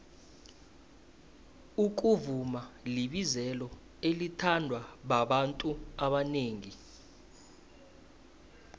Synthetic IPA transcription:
uk̬uvumaliɓizɛlɔ | elitʰandʱwaɓaɓantʼuaɓaneːŋi

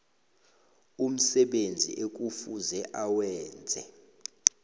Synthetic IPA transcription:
um̩sɛɓend͡zʱḭʔek̬ʼufuzɛʔawɛːnd͡zʱɛ

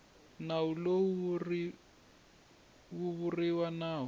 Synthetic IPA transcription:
nawulori | wuβuriwanaːɦɔ

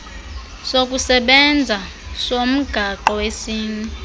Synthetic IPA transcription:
sok̬ʼusɛɓɛnd͡zʱa | som̩ɡ̥ʱaǃɔwesiːnɛ

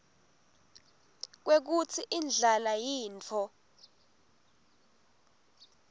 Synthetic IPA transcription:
k̬wek̬ut͡sʰiʔind͡ɮʱalajiːnt͡fʰɔ

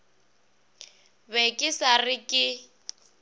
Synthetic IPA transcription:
bɛkʼɪsarɪkʼɪ

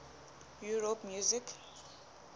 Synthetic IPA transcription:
juɹopmjuzik

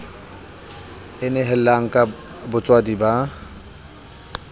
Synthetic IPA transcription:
ɪnɛɦɛlaŋ̩kʼa | bʊt͡sʼwadiba

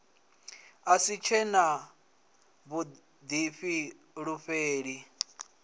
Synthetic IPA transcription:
asit͡ʃʰɛna | βu | d̪iɸi | ɺuɸeːɺi

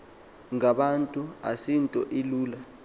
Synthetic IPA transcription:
ŋaɓantʼuasintʼɔʔiluːla

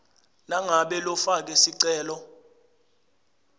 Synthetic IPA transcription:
naŋaɓɛlɔfak̬ɛsiǀɛːlɔ

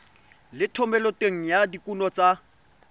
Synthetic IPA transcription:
lɪtʰɔmɛlɔteŋ̩jadikʼunɔt͡sʼa

